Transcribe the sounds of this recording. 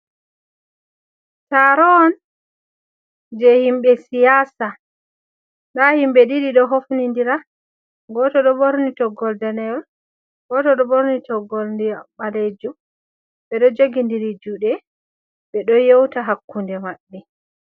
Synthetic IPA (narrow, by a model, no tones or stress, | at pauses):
taɾɔn | d͡ʒɛhimɓɛsijasa | nɗahimɓɛɗiɗiɗɔɦofnindiɾa | ɡɔtɔɗɔboɾnitɔɡɔldanɛl | ɡɔtɔɗɔboɾnitɔɡɔlndiaɓaled͡ʒu | ɓɛɗɔd͡ʒoɡindiɾid͡ʒuɗɛ | ɓɛɗɔjowtaɦakːundɛmaɗːi